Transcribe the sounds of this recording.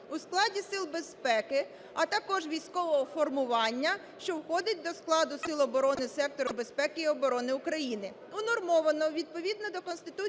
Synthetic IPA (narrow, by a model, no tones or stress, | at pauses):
usklˠɑdʲisɪlˠbespɛkɪ | ɐt̪ɐkɔʒʋʲijsʲkɔʋɔɦɔfɔrmʊʋɑnʲːɐ | ʃt͡ʃɔwxɔd̪ɪt̚ʲd̪ɔsklˠɑd̪ʊsɪlˠɔbɔɾɔnɪsɛk̚t̪ɔɾʊbe̞spɛkɪiɔbɔɾɔnɪʊkɾɐjinɪ | ʊnɔrmɔʋɐnɔʋʲid̪̚pɔʋʲid̪̚nɔd̪ɔkɔnst̪ɪt̪u